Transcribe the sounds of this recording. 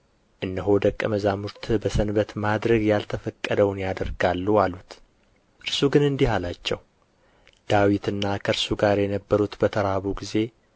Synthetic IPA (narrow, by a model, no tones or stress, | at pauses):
ʔɨnːəɦo̞d̪əkʼːəməzamuɾt̪ʰbəsənbət̪mad̪ɾəɡjalt̪ʰəfəkʼːəd̪əwnjad̪əɾɡalːualut̪ | ʔɨɾsuɡɨnɨnd̪ihalat͡ʃːɛw | d̪̥awit̪ɨnːakʰəɨɾsuɡaɾjɛnəbːəɾut̪bət̪ʰəɾaβuɡize̞